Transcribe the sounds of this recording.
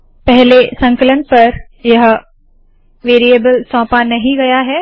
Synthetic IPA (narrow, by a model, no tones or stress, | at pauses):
pɛɦlesɐ̃ŋkələnpɐɾ | jɐɦ | ʋeːɾijebəlsɔ̃ːpanɐɦĩɡɐjaɦɛː